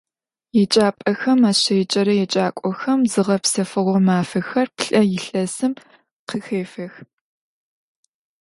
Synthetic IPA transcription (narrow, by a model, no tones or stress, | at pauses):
jɛt͡ʃʼaːpʼɐxɐmaːɕɐjt͡ʃʼɐɾɐjɛt͡ʃʼaːkʷʼɔxɐmzɨʁɐpsɐfɨʁʷɔmaːfɐxɐrpɬʼɐjɪɬɐsɨm | qʰəxeːfɐx